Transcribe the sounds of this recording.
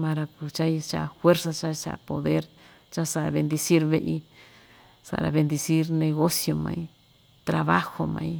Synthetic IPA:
mã˧ɾa˧ku˨t͡ʃa˦jt͡ʃa̰˧˨fwe˦ɾsa˧t͡ʃa˦t͡ʃa̰˨ʔpo˨ðe˦ɾ | t͡ʃa˦sa˧a˨βe˧nd̪i˧si˦ɾβe˧ʔi˧ | sa̰˨ɾa̰˨βe˧nd̪i˧si˦ɾnẽ˧ɣo˦sjo˧mã̰˧i˦ | t̪ɾa˨βa˦xo˧mã̰˨˧i˧

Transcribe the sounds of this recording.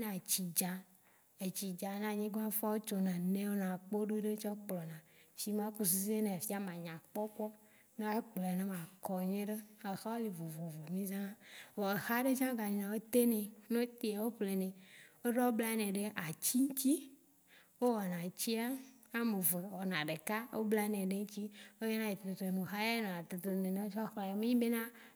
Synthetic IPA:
nã˨t͡ɕi˨d͡ʒa˨ | e˨t͡ɕi˨d͡ʒa˨˦nã˨ɲĩ˦ɡo˦a˦fɔ˦wo˦t͡ʃo˨nã˨nẽ˦wo˦nã˨k͡po˦ɖe˦ɖe˦t͡ʃɔ˦k͡plɔ˨nã˨si˨mã˦ku˦s̬i˦se˦nẽ˨a˨fi˦a˦mã˨ɲã˨k͡pɔ˦k͡pɔ˦ | nẽ˦k͡plnẽ˦mã˨kɔ˨ɲẽ˦ɖe˦e˨xa˦wo˦le˨vo˨vo˨vo˨mĩ˦zã˦wɔ˨e˨xa˦ɖe˦d͡ʒã˦ɡa˨ɲĩ˨nã˨wo˦t̪e˦nẽ˨nõ˦t̪e˦a˨wo˦ɸle˨nẽ˨o˦ɖɔ˦wo˦bla˦nẽ˨ɖe˦ʔa˨t͡ɕi˦ŋ̩˦t͡ɕi˦ | wo˦wɔ˨nã˨t͡ɕi˦a˦a˦me˨ve˨wɔ˨nã˨ɖe˨ka˦wʔo̰˦bla˦nẽ˨ɖe˦ŋ̩˦t͡ɕi˦wo˦je˦nã˦je˨t̪e˨o˨t̪o˨me˨xa˦ja˦nã˨a˨t̪e˨t̪o˨nẽ˨nẽ˨o˦t͡ʃɔ˦xlã˨jɔ˨mẽ˦ɲĩ˦be˦nã˦

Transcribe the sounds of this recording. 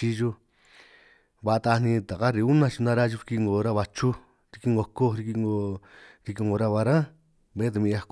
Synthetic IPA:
i˧ʒu˧ | βa˧t̪a˧nĩ˧t̪a˨ka˦ɾi˧u˦nã˧t͡ʃi˧nã˧ɾa˦ʒu˧ɾi˧ki˦˧ŋɡo˧˨ɾa˦βa˧t͡ʃu˦ | ɾi˧ki˦ŋɡo˧ko˦˧ɾi˧ki˧ŋɡo˧ɾi˧k̬i˧ŋɡo˧ɾa˦˧βa˧ɾã˦ | βẽ˧˦t̪a˧ĩ˧a˧k

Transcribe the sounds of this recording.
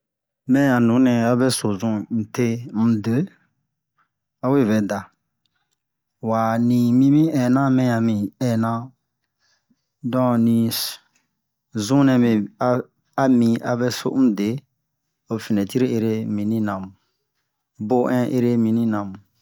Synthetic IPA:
mɛ̃˦ã˨nũ˨˦nɛ̃˨a˦bɛ˦so˨zũ˦n̩˨te˦m̩˦˨de˨˦ | a˦we˦˨βɛ˨da˨ | wa˨nĩ˨mĩ˦mĩ˦ɛ˨nã˦mɛ̃˦ã˨mĩ˨ɛ˨nã˦ | dɔ̃˦nĩ˨ | zũ˦nɛ̃˧me˨a˦ | a˦mĩ˧a˨bɛ˦so̰˦m̩˦de˨˦ | o˨fi˨nɛ̃˨ti˦ɾi˦e˧ɾe˦mĩ˨nĩ˦nã˨mũ˨ | bo˦ʔɛ̃˦ʔe˧ɾe˦mĩ˨nĩ˦nã˨mũ˨

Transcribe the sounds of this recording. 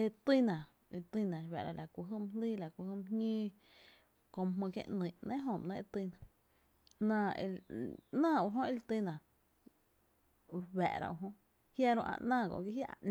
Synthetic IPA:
e˧t̪i˦nã˨˧ | t̪i˦˧nã˨wɛ˨ɾa̰˧lʔa˨kʷu˧ɦɨ˦m˦liː˦la˨kʷu˧hɨ˧mhɲĩː˦ | kõ˧m˧ɦmə̃˧kjḛ̃˧ʔnĩ˨nẽ˦ɦõ˧˨m˨nã˦ʔe˧t̪i˧nã˨ | nã˧˨ḛ˧nãː˦˨u˧ɦõ˦i˧lt̪i˧nã˨ | wɛ̰˨ɾa̰˧wu˧ɦõ˦ | hja˧ɾõ̰˧ʔã̰˧ʔnãː˦˧˨ɡo̰˧˨ki˦ɦja˦a˧ʔn˧

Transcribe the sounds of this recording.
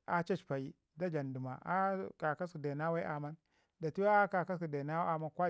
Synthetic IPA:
a˦t͡ʃa˦t͡ʃpa˨i˦ | da˦d͡ʒa˨ndu˨ma˨a˦ka˨ka˦su˨de˨na˦wa˦ʔa˨ma˦n | da˨ti˦wa˦a˦ka˨ka˦su˨de˨na˦wa˦a˨ma˦nkʷa˦

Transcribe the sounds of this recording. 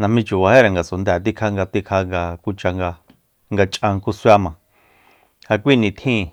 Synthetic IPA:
nã˧mĩ˧t͡ʃu˨βa˧he˦ɾa˨ŋɡa˨so˨nd̪ɛ˨t̪i˦˧kʰa˦˧ŋɡa˧t̪i˧kʰa˧ŋɡa˧kʷu˧t͡ʃa˧ŋɡa˧ | ŋɡa˧t͡ʃʼʔã˧ŋku˦swa˦mã˨ | ha˧kʷi˦˨nĩ˧t̪ʰĩː˦˨

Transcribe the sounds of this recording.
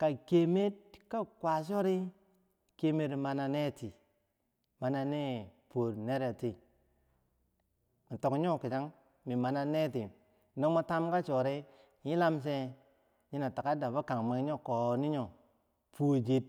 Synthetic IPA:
ka˨ke˨me˦t̚ka˦kwa˨s̬o˦ɾi˦ | ke˦me˦tma˨na˧ne˦ti˨ | ma˨na˨ne˦po˨ɾne˦ɾa˨ti˨ | m̩˨to˨kɲo˦ki˨t͡ʃa˦ŋ | mi˨ma˨na˦ne˦ti˨ | no˦mo˦ta˦mka˦t͡ʃo˨ɾi˦ | ɲi˦la˦ms̬e˧ | ɲi˦na˨ta˨ka˦da˨ba˦ka˨ŋma˨˦ɲo˦ko˨ni˦ɲo˨ | pʰu˦˨d͡ʒi˦t̚

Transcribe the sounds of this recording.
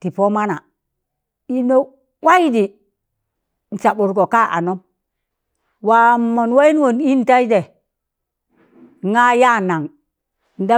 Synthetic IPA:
ti˨po˦ma˦na˨ | i˦no˦ | wa˦i˦di˨ | n̩˨t͡ʃa˨ɓu˨ɾɡo˨ka˦ʔa̰˨no˦m | wa˨mo˨nwa˦i˦n˦wo˨ni˦n˨ta˦i˦de˨ | ŋa˦ja˦na˨ŋ˨ | n̩˨da˦

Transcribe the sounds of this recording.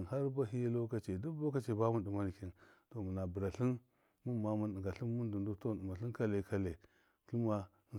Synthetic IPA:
nɦa˦ɾba˦ɦi˦a˦lo˦ka˦t͡ʃe˨du˦bo˦ka˦t͡ʃe˨ba˦mu˦ndu˨ma˦n˨ki˦nto˨mu˨na˨bu˨ɾa˨ɬi˦n | mu˦ma˦mu˦n˨ɡa˨ɬi˦nmu˦ndu˨ndu˦to˦nu˨ma˨ɬi˦n˦ka˦le˨ka˦le˨ | ki˦ma˦

